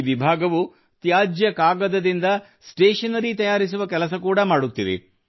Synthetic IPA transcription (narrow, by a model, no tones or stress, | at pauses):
ʋibʱaːɡɐʋu | t̪jaːd͡ʒjɐkaːɡɐd̪ɐd̪ind̪ɐ | sʈeːʂɐnɐɾit̪ɐjaːɾis̬uʋɐkɛlɐs̬ɐkuːɽɐmaːɽut̪ːiʋḛ